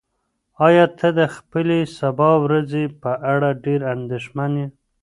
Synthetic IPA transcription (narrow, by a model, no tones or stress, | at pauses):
ɑjɑt̪ʰəd̪əxpəlesabɑwɾazepəʔaɽaɖeɾand̪eʃmanji